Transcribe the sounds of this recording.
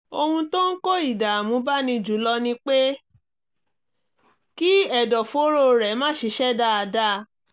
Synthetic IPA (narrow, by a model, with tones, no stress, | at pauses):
o˧hũ˧to˦n̩˦ko˦i˦˨da˨mũ˨˦ba˦nĩ˧d͡ʒu˨˦lɔ˧nĩ˧k͡pe˦ | ki˦ɛ˨dɔ˨fo˨˦ɾo˦ɾɛ˨˦mã˦˨ʃi˨˧˦ʃɛ˦˨da˦˨a˨˧da˦˧